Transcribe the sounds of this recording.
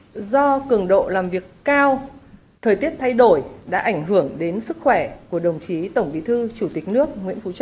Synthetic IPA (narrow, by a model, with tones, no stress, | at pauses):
zɔ˧kɨ˨˧˩əŋɗo̰˧˨laː˨˩mvi˨˩əkːaː˧w | t̪ʰəː˨˩jt̪i˦˥əp̚t̪ʰa˧jɗo˧˩jɗa̰ː˧˥ʔa˧˩jŋ̟ɦɨ˧˩əŋɗe˨˦nsɨ˦˥k̚xwɛ˧˩ku˧˩əɗə˨˩wŋ͡mt͡ɕi˨˦t̪ə˧˩wŋ͡mɓḭ˧˦t̪ʰɨ˧t͡ɕu˧˩t̪i˨˩k̟̚nɨ˦˥ək̚ŋwḭ˧˥ənfu˨˦t͡ɕa˦˥